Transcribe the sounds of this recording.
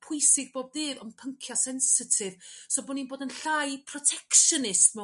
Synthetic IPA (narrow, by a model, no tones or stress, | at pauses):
pʰʊɨsɪɡ̚boːb̚ðɨːðɔmpʰəŋkʰjasɛnsɪtʰɪv̥sobʊninboːdənɬajpʰrɔtʰɛkʃənɪstmɔ